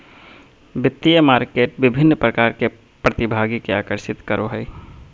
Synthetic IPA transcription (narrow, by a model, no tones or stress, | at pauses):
bɪt̪ːijəmaːɾkeːʈʋɪbʱɪnːpɾɐkaːɾke | pɾɐt̪ɪbʱaːɡikea̰ːkəɾʃɪt̪kəɾoɦəi